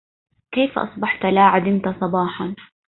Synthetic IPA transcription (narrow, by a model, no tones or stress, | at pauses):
kejfʔɑ̰sˤbɑħt̪alaːʕad̪ɪnt̪asˤɑbɑːħɑn